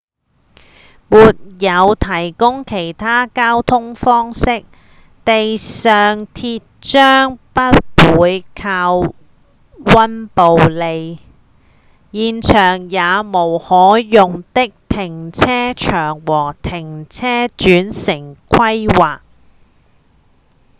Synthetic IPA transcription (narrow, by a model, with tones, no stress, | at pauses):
muː˨t̚jɐ˨˧wt̪ʰɐ˨˩jkʊ˥ŋkʰe˨˩jt̪ʰaː˥kaː˥wt̪ʰʊ˥ŋfɔː˥ŋsɪ˥k̚ | t̪e˨jsœː˨ŋt̪ʰiː˧t̚t͡ʃœː˥ŋpɐ˥t̚wuː˨˧jkʰaː˧w | wɐ˥npo˨wle˨˧j | jiː˨nt͡ʃʰœː˨˩ŋjaː˨˧mo˨˩whɔː˨˥jʊ˨ŋt̪ɪ˥k̚t̪ʰɪ˨˩ŋt͡sʰɛː˥t͡ʃʰœː˨˩ŋwɔː˨˩t̪ʰɪ˨˩ŋt͡sʰɛː˥t͡ʃyː˨˥nsɪ˨˩ŋkʰɐ˥jwaː˨k̚